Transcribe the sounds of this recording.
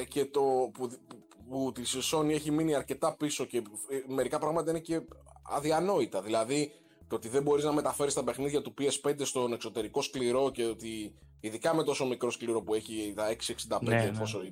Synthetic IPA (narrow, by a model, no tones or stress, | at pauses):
ce̞t̪o̞pu | put̪isso̞nie̞çiminiɐɾce̞t̪ɐpiso̞ce̞me̞ɾikɐpɾɐɣmɐt̪ɐine̞ce̞ɐ̰ðiɐno̞it̪ɐðilɐði | t̪oo̞t̪iðe̞bo̞ɾiznɐme̞t̪ɐfe̞ɾist̪ɐpe̞xniðʝɐt̪upie̞spe̞nd̪e̞st̪o̞ne̞kso̞t̪e̞ɾiko̞skliɾo̞ce̞ot̪i | iðikɐme̞t̪o̞so̞mikɾo̞skliɾo̞pue̞çit̪ɐe̞ksieksind̪ɐpend̪eposo